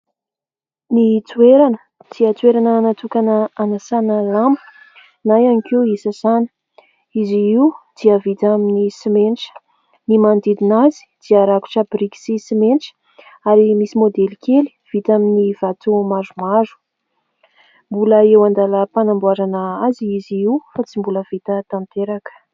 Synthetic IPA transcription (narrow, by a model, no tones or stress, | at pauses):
nit͡sueɾanə | d̪̥iət͡sweɾanənat̪ukanəanasanəlambə̥ | najanikiwisəsanə̥ | iziiwd̪̥iəvit̪aminisimenʈ͡ʂə̥ | nimand̪id̪inazi̥d̪̥iəɾaku̥ʈ͡ʂəbɾiki̥sisimenʈ͡ʂə̥ | aɾimisimod̪elikʰeli̥v̥it̪aminiv̥at̪umazumazu̥ | mbuləewand̪aləpanambuaɾanəaziiziiwfat͡simbuləvit̪ət̪ant̪eɾakə̥